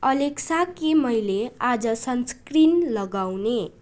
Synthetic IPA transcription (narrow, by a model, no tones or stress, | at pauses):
ʌleksakemʌjlead͡zʌsʌnskrinlʌɡawne